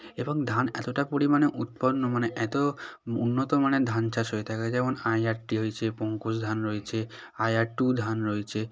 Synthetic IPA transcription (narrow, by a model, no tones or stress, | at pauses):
ebɔŋd̪ʱanɛ̰t̪oʈapoɽimaneʔut̪̚pɔnːɔmaneʔɛt̪ɔṵnːɔt̪ɔmaned̪ʱant͡ʃʰasɦojt̪ʰaked͡ʒɛmonajaɾʈiɦojt͡ʃʰepɔŋkosd̪ʱanɾɔjt͡ʃʰe | ajaɾʈud̪ʱanɾɔjt͡ʃʰe